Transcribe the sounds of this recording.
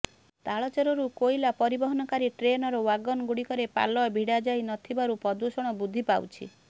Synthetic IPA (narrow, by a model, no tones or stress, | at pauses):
t̪aɭɔt͡ʃɔɾɔɾukojilapɔɾibɔɦɔnɔkaɾiʈɾenɔɾɔwaɡɔnɔɡuɽikɔɾepa̰lɔbʱiɽad͡ʒajnɔt̪ʰibaɾupɔd̪usɔɽ̃ɔbud̪ʱːipawt͡ʃʰḭ